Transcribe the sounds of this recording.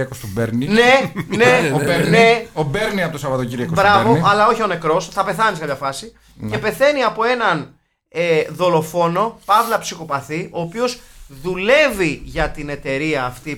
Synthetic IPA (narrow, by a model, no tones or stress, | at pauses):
ɐkost̪ubeɾnine̞neobeɾneobeɾniɐpot̪osɐvɐt̪ociɾiɐkobɾɐvoɐlɐo̞çio̞nekɾo̞sθɐpe̞θɐnisekɐmçɐfɐsi | cepe̞θe̞niɐpo̞e̞nɐn | eðo̞lo̞fo̞no̞pɐvlɐpsixopɐθio̞ːpio̞zðule̞viʝɐt̪ine̞t̪e̞ɾiɐːft̪i